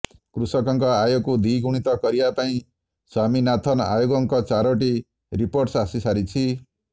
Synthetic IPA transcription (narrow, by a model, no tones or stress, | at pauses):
kɾusɔkɔŋkɔajoɡkud̪ʱiɡuɽ̃it̪ɔkɔɾibapaĩ | swaminat̪ʰɔna̰joɡɔŋkɔt͡ʃaɾɔʈ̬i | ɾipoɾʈsasisaɾit͡ʃʰi